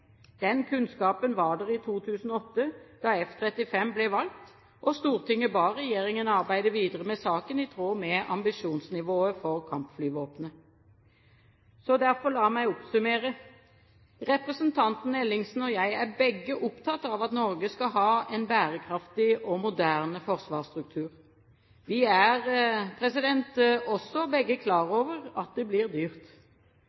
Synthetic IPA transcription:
d̪̥ɛnkʰʉnskɑːpənʋɑːɖəʁɪt̪ʰuːt̪ʰʉːsn̩ɔɔt̪ːəd̪̥ɑɛft̪ʰʁɛt̪ɪfɛmblɛʋɑlt̪ | ʔɔst̪uːʁt̪ʰɪŋːəbɑːʁɛjeːʁɪŋənɑʁbæɪd̪əʋiːd̪əʁəmɛsɑːkənɪt̪ʰʁoːmɛɑ̰mbɪʂuːnsnɪʋoːəfɔʁkʰɑmpflyːʋoːpnə | sɔd̪æʁfɔlɑːmæɪɔpsʉmeːʁə | ʁɛpʁəsənt̪ʰɑnt̪n̩ɛlːɪŋsn̩ɔjæɪæʁbɛɡːəʔʊpt̪ʰɑt̪ːɑʋɑt̪nɔʁɡəskɑɦɑːɛnbæːʁəkʰɾɑft̪ɪʔɔmʊd̪æːʁnəfɔʁsʋɑːst̪ʁʉk̚t̪ʰʉːʁ | ʋɪæʁpʰʁɛsɪd̪ɛnt̪ɔsːɔbɛɡːəkʰlɑːʁoːʋəʁɑt̪̚d̪ɛblɪʁd̪yːʁt̪

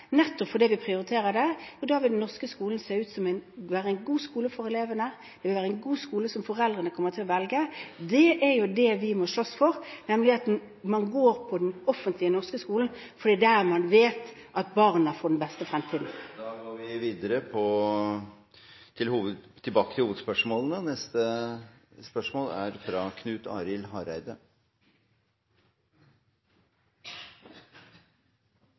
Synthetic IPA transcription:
nɛt̪ːɔpfɔd̪ɛʋɪpʰʁɪʊɾɪt̪ʰeːɾəd̪ɛjʊd̪ɑːʋɪld̪nːɔʁskəskuːln̩seːʉːt̪sɔmæɪnʋæːɾəæɪnɡuːskuːləfɔɾɛleːʋənə | d̪̥ɛʋɪlʋæːɾəɛɪnɡuːskuːləsɔmfɔʁɛld̪ʁənəkʰɔmːəʁt̪ʰɪlɔʋɛlɡəd̪ɛʔæɾjʊd̪ɛʋɪmɔʂɭɔsfɔɾnɛməlɪɑt̪̚ | mɑnɡoːɾpʰɔd̪ɛnɔfːənt̪ʰlɪənɔʁskəskuːln̩ | fɔɾd̪iːd̪ɛæmɑnʋeːt̪ʔɑt̪̚bɑʁnəɑfɔd̪ɛnbɛst̪əfɾɛmt̪ʰiːd̪n̩d̪ɑːɡoːɾʋɪʋiːd̪əɾəpʰɔ | t̪ʰɪlhuːʋət̪ʰːɪlbɑːkət̪ɪlhuːʋəd̪spœʂmoːlənənɛst̪ə | spœʂmoːlæɾfɾɑkʰnʉːt̪ʰɑ̰ːɾɪlɦɑɾæɪd̪ə

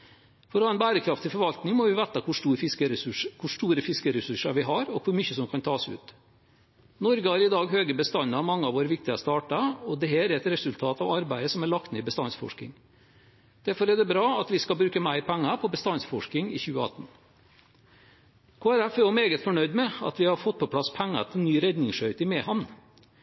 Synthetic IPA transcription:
fɔɾɔhɑːɛnbæːɾəkʰɾɑft̪ʰɪlfɔɾʋɑlt̪nɪŋmɔʋɪʋæt̪ɑkʰʊʂʈuːɾfɪskəɾʉʂkʰʊʂʈuːɾəfɪskəɾɛsʉʂɑʋɪɦɑɾɔkʰʋʊɾmyçəsɔmkʰɑnt̪ʰɑːsʉ̰ːt̪ | nɔɾɡəhɑɾɪd̪ɑːɡɦøːɡəbəst̪ɑnəɑmɑŋːəɑʋoːɾəʋɪk̚t̪ɪəst̪ɑːʈɑɔd̪ɛɦæːɾæɾɛt̪ɾɛsʉlt̪ʰɑːt̪ɑʋɑɾbæɪəsɔmæɭɑk̚t̪neːɪbəst̪ɑnsfɔ̰ʂkɪ̰ŋ | d̪̥æɾfɔɾɛd̪ɛbɾɑːɑt̪ʋɪskɑlbɾʉːkəmæɪɾpʰæŋːɑpʰɔbəst̪ɑnsfɔʂkɪŋɪ̰çʉːəɑ̰t̪ːn̩ | kʰoːæɾæfɛɔmeːɡət̪fɔɳœʏd̪mɛɑ̰t̪ʋɪhɑɾfɔt̪̚ːpʰɔpʰlɑspʰæŋːɑ̰t̪ʰɪlnyːɾɛd̪nɪŋʂœʏt̪ɪmɛːhɑn

